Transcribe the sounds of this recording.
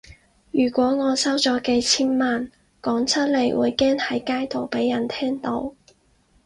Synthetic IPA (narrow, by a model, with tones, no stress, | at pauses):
jyː˨˩kʷɔː˨˥ŋɔː˨˧sɐ˥wt͡sɔː˨˥ke˧t͡sʰiː˥nmaː˨n | kɔː˨˥ŋt͡sʰɐ˥t̚le˨˩jwṵː˨˧jkɛː˥ŋhɐ˨˥jkaː˥jt̪o˨wpe˨˥jːɐ˨˩nt̪ʰɛː˥ŋt̪o˨˥w